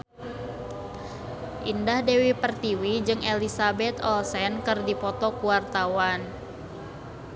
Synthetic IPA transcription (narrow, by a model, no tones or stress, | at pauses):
ʔindahdewipərt̪iwid͡ʒɨŋʔelisabɛt̪ɔlsɛnkɨrdipɔt̪ɔkuwart̪awan